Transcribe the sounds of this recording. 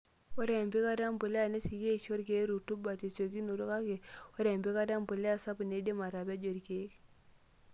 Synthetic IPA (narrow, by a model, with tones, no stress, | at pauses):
wo˦ɾa˨mbi˦ka˦da˦mbə˨le˦a˨ne˦si˨ɡe˦˨ʃo˦ɾɡe˦ɾu˨tu˦ba˨te˨so˨ɡi˦no˨ɾo˦ka˦ke˨wo˦ɾe˨mbe˦ka˦da˦mbə˨le˦a˨sa˦bne˦de˦ma˨ɾa˨ba˦d͡ʒo˨ɾke˨˦